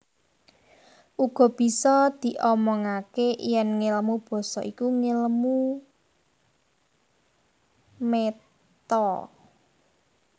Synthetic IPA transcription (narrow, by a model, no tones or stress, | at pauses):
ʔuɡ̥ɔ̤b̥i̤sɔd̪̥i̤ʔɔmɔŋakejɛnŋeləmub̥ɔ̤sɔ̰ʔikuŋelmu | me | t̪ɔ